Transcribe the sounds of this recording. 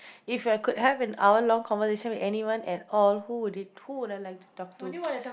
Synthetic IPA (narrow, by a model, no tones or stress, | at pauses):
ifakʰudhɛvɛ̃na̰ʊəlɔ̃ŋkʰɔ̃nvəseʃə̃nwidɛniwãnɛtɔlhudid̚huwʊdat̚laɪk̚tu̥tɔk̚tu